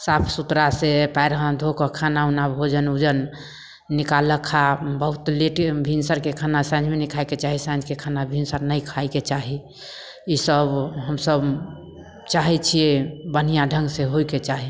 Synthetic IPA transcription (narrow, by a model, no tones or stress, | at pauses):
sapʰsut̪ɾasepaɪɾɦə̃d̪ʱokəkʰanaunabʱod͡ʒənud͡ʒənː | ikaləkʰabəɦut̪liʈbʱinsəɾkekʰanasãnd͡ʒʱmenikʰajket͡ʃaɦisãd͡ʒkekʰanabʱinsəɾnəikʰaiket͡ʃaɦi | isəbɦəmsəb | t͡ʃaɦɛt͡ʃʰijebən̤ijãɖʱəŋɡseɦoiket͡ʃaɦi